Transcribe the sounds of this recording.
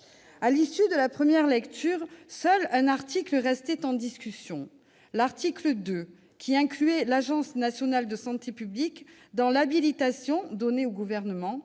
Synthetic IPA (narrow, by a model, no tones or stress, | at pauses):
alisyd̪əlapχəmjɛʁlɛkt̪ʰyːʁsœlɛ̃naʁt̪ikləʁɛst̪ɛt̪ɑ̃d̪iskʲysjɔ̃ | laʁt̪ikləd̪ø | kʲʰiɛ̃klyɛlaʒɑ̃snasjɔnald̪əsɑ̃t̪epyblik | d̪ɑ̃labilit̪asjɔ̃d̪ɔneoɡuvɛʁnəmɑ̃